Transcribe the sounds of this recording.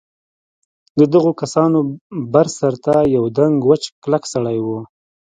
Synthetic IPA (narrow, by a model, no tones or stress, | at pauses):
d̪əd̪əɣokasɑnobaɾsaɾt̪ajawd̪aŋɡwət͡ʃklaksaɽajwu